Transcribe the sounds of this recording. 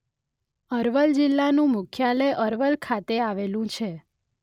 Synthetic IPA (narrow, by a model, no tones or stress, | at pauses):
əɾʋəld͡ʒɪlːanũmʊkʰjaləjʔəɾʋəlkʰat̪eaʋelũt͡ʃʰe